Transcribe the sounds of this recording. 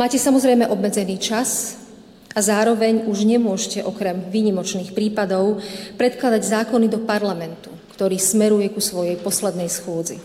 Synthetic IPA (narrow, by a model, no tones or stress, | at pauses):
maːcɛsamɔzɾɛjmɛʔɔbmɛd͡zɛniːt͡ʃas | azaːɾɔʋɛɲuʒɲɛmʊɔʒcɛʔɔkɾɛmʋiːɲimɔt͡ʃniːxpɾiːpad̪ɔʊpɾɛt̪klad̪aɟzaːkɔnid̪ɔpaɾlamɛnt̪ukt̪ɔɾiːsmɛɾujɛkusʋɔjɛjpɔslɛd̪nɛjsxʊɔd͡zḭ